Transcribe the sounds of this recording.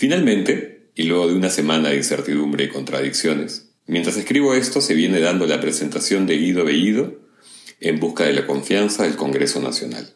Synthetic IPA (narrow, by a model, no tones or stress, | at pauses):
finalmẽ̞nt̪e̞ | ilwe̞ɣo̞ðeunase̞manaðeinse̞̰ɾt̪iðumbɾeiko̞nt̪ɾa̰ðiksjo̞nes | mjent̪ɾaseskɾiβ̞oe̞st̪ose̞βje̞ne̞ðand̪o̞lapɾese̞nt̪asjo̞nd̪eɣiðoβeiðo | embuskaðe̞lako̞ɱfjansaðe̞lko̞ŋɡɾe̞so̞na̰sjo̞na̰l